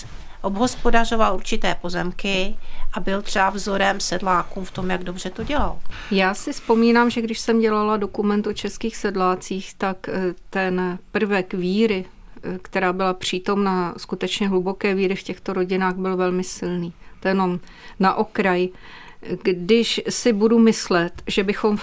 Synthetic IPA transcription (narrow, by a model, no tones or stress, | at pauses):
ʔobɦo̞spo̞dar̝ovaluɾt͡ʃɪt̪ɛːpo̞zɛmkɪʔabɪlt̪r̥ɛbavzoɾɛmsɛdlaːkuːmft̪omjaɡdobr̝ɛt̪oɟɛla̰l | jaːsɪfspo̞miːnaːmʒɛɡdɪʃsɛmɟɛlalado̞kumɛnt̪o̞t͡ʃɛskiːxsɛdlaːt͡siːxt̪akt̪ɛnpr̩vɛkviːɾɪ | kt̪ɛɾaːbɪlapr̝̥iːt̪o̞mnaskut̪ɛt͡ʃɲɛɦlubo̞kɛːviːɾɪfcɛxt̪o̞ɾo̞ɟɪnaːɣbɪlvɛlmɪsɪlniːt̪ojɛnom | naʔo̞kɾaj | ɡdɪʃsɪbudumɪslɛt̪ʒɛbɪxo̞m